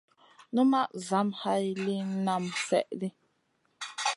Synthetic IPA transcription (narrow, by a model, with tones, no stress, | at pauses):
nu˦ma˦ʔza˨˦mha˦i˦˨li˦n˦na˦msɛ̰˦˨ʔli˦